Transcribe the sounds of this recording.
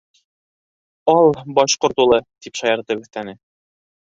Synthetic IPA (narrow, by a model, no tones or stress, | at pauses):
ɒlˠbɒɕqŏɾt̪ulˠɤt̪ipʃɑjɤ̆ɾt̪ɤbɵ̆θt̪ænɘ